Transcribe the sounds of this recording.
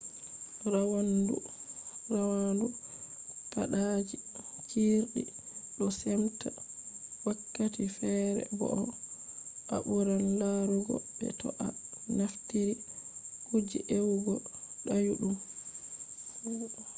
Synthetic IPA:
ɾawandṵrawandu | paɗad͡ʒit͡ʃiɾɗi | ɗɔsɛmtawakːatifɛɾɛ̰bɔ̰ʔɔ | ʔa̰ɓuɾaldaɾuɡɔ̰bɛ̰tɔ̰ʔanaftiɾikud͡ʒḭʔewɡɔɗajuɗum

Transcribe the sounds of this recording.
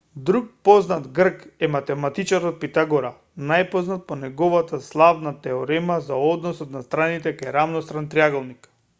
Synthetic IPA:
d̪ɾuk̚pɔznat̪ɡr̩kɛmat̪ɛmat̪it͡ʃaɾɔt̪̚pit̪aɡɔɾa | najpɔznat̪̚pɔnɛɡɔvat̪aslˠavnat̪ɛoɾɛmazaɔd̪nɔsɔt̪nast̪ɾanit̪ɛkajɾavnɔst̪ɾant̪ɾiaɡɔlˠnik

